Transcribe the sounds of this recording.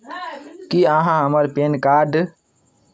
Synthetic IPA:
kiãɦãɦəməɾpeːnkaːɾɖ

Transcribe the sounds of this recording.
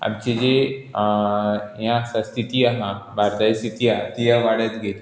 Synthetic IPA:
ɐ̰bt͡ʃed͡ʒe | jãsɐst̪it̪ijaɦãbaːɾd̪ajsit̪ijat̪ijaʋaːɽət̪ɡet̪

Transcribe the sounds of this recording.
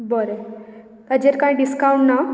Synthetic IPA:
bəɾe | t̪əd͡ʑeɾkãĩɖiskauɳʈna

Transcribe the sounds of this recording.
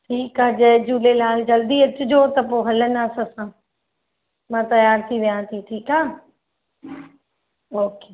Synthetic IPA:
ʈʰiːkaːd͡ʑɐːd͡ʑuːlelaːld͡ʑɐld̪iɐt͡ɕʊd͡ʑoːt̪ɐp̬oːɦɐlənaːsɐsãː | mãːt̪ɐjaːɾt̪ʰiʋijãːt̪ʰiʈʰiːkaː | oːkeː

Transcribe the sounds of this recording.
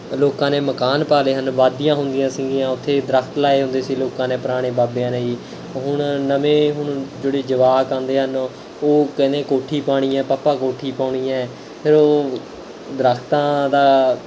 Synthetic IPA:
loːkãːneːməkaːnpaːleːɦənʋaːd̪ijãːɦʊnd̪ɪjãːsɪ̃ɡijãːʊt̪ʰːeːd̪ɾəkʰt̪laːeːɦõnd̪eːsiːloːkãːneːpəɾaːɽ̃eːbaːbejãːneːiː | ɦʊɳnəmẽːɦʊɳd͡ʒeːɽeːd͡ʒəʋaːkand̪eːɦən | oːkɛnẽːkoːʈʰiːpaːɽ̃iːɛ̃ːpaːpːaːkoːʈʰiːpaːɽ̃iːɛ̃ː | pʰɪɾoː | d̪əɾəkʰt̪ãːd̪aː

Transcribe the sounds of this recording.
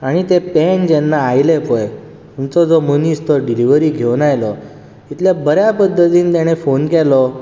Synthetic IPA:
aɽ̃it̪epend͡ʑɛnːaːjlepoj | t̪umt͡sɔd͡zɔmonist̪ɔɖiliʋəɾiːɡʱewnajlɔ | it̪lebəɾjapəd̪ːət̪iːnt̪ɛɽ̃efonkɛlɔ

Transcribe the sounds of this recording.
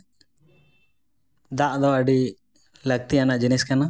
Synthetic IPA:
d̪aʔd̪ɔəɖi | ləɡ̚t̪ianaʔd͡ʒiniskana

